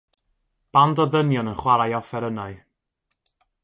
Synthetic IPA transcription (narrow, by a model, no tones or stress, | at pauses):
b̥andɔðənjɔnənχwaɾajɔfɛɾənaɨ